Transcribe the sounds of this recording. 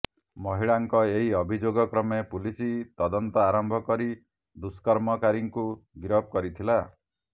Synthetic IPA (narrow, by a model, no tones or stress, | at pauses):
mɔɦiɭaŋkɔeɦiɔbʱid͡ʒoɡɔkɾɔmepulisit̪ɔd̪ɔnt̪ɔaɾɔmbʱɔkɔɾi | d̪uskɔɾmɔkaɾiŋkuɡiɾɔb̚kɔɾit̪ʰila